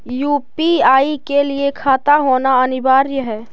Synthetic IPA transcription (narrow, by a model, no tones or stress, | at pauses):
juːpiaːikeliekʰaːt̪aɦoːnaənɪbaːɾjəɦɛː